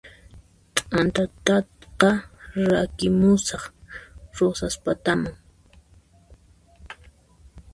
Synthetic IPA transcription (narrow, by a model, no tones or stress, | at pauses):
t̪ʼant̪at̪at̪qɑɾakɪmʊsɑχɾosaspat̪amaŋ